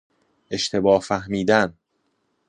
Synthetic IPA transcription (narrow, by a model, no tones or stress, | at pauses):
ʔe̞ʃt̪ʰe̞bɒːhfæhmiːd̪æn